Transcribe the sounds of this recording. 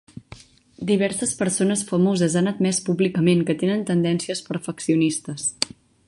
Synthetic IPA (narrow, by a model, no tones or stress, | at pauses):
d̪iβ̞ɛɾsəspəɾsonəsfəmozəzanəd̪mɛspuβlikəmenkət̪enənt̪ənd̪ɛnsiəspəɾfəksiunist̪əs